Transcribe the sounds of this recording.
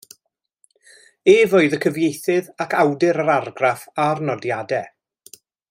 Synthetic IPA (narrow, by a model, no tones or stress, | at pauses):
eːvoːɨðəkʰəvjejθɪðakʰawdɪɾəɾarɡrafarnɔdjadɛ